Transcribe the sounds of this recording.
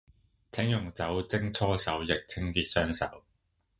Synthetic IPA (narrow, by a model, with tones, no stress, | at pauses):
t͡sʰɪ˨˥ŋjʊ˨˩ŋt͡sɐ˨˥wt͡sɪ˥ŋt͡sʰɔː˥sɐ˨˥wjɪ˨k̚t͡sʰɪ˥ŋkiː˨˧t̚sœː˥ŋsɐ̰˨˥w